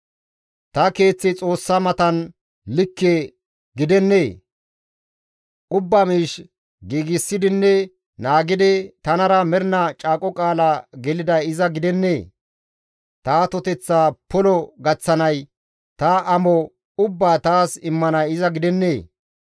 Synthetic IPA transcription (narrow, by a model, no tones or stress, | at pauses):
t̪ɐke̞ːt͡sːɪt͡sʼo̞ːsːɐmɐt̪ɐn | lɪkːe | ɡɪd̪ɛnːe̞ː | ʔʊbːamiːʃ | ɡiːɡɪsːɪd̪ɪnːɛ | naːɡɪd̪ɪt̪ɐnɐɾɐmɛɾnɐt͡ʃʼaːkʼɔkʼaːlaɡɛlɪd̪ɐjɪzɐɡɪd̪ɛnːeː | t̪aːt̪ɔt̪ɛt͡sːaːpɔlɔɡɐt͡sːɐnɐj | t̪aʔɐmɔ | ʊbːaːt̪aːsɪmːɐnɐjɪzɐɡɪd̪ɛnːeː